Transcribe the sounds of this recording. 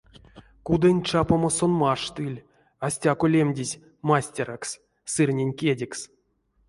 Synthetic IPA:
kud̪enʲt͡ʂapamasonmaʂt̪ɨlʲ | asʲtʲakolʲemʲdʲizʲ | masʲtʲeraks | sɨrʲnʲenʲkʲedʲeks

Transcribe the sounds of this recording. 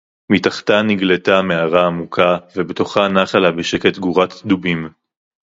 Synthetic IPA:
mitaχtaniɡletameaʁaːmukʰavebeto̞χanaχalabeʃeke̞t̪ɡuʁat̪d̪ubim

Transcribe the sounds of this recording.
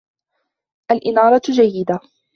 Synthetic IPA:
ʔalʔɪnɑːɾˤɑd͡ʒajːɪd̪a

